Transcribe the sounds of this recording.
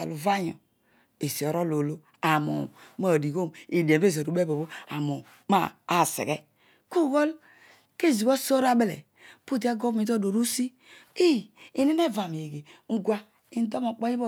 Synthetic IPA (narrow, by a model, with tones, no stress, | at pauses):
a̰˨lu˨va˦ɲo̰˨ | e˨si˨o˨ɾo˦lo˨lo˦ | a˨mo̰˨ma˦˨di˨ɡo˦mi˨di˨e˨˦e˦zo˨ɾu˨be˦bo˨bo˦a˨mo˨ | ma̰ː˦˨˦sḛ˨ɣɛ˦ | ku˦˨ɣo˦l | ke˦˨zi˨bo˦so˦ɾa˦be˦lḛ˨ | pu˦˨di˦a˦ɡo˦mi˨to˦˨do˨ɾu˦si˦ | i˦i˨ni˦ne˦˨va˨m˨e˨ɡe˨ŋ̩˦ɡwa˦ | i˦n˦do˦mo˨k͡pɔ˦i˦bo˦